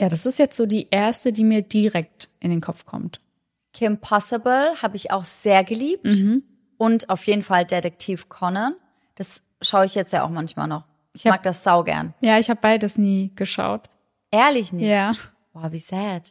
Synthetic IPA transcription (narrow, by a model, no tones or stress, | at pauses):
jaːɾasɪstjɛt͡stz̥oːdiːʔeːɐstədiːmiːɐdiʁɛk̚tʔɪndeːnkʰɔp͡fkʰɔ̰mt | kʰɪmpʰɔsɪbl̩haːbəɪça̰ʊxz̥eːɐɡəliːp̚tm̩m̩ | ʔʊntaʊfjeːdn̩faldetɛk̚tʰiːfkʰɔnən | d̥as | ʃaʊəɪçjɛt͡stjaːʔa̰ʊxmançma̰ːlnɔχ | ʔɪçhaaːɡ̚d̥asz̥aʊɡɛ̰ɐnjaːɪçhaːbəbaɪdədasniːɡ̥əʃa̰ʊt | ʔɛːɐlɪçnɪjaː | oːviːzɛt